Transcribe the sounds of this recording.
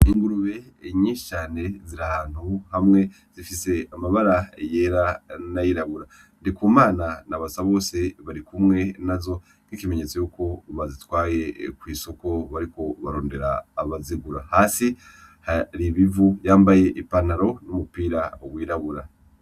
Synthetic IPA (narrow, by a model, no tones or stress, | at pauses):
iŋɡuɾuβe̞ | ɲiːʃi̥t͡ʃaːne̞ziɾahaːn̥huhamŋe̞ | z̥ifise̞amaβaɾajeɾanajiɾaβuɾa | ndikumaːnanaβasaβo̞ːse̞βaɾikumŋe̞nazo̞ | kikime̞ɲet͡so̞juːko̞βazitwaːje̞kwiːso̞ko̞βaɾiko̞βaɾo̞ːnde̞ɾaːβaziɡuɾahaːsi | haɾiβivujaːmbaje̞ʔipanaɾo̞numupiːɾaoɡwiːɾaβuɾa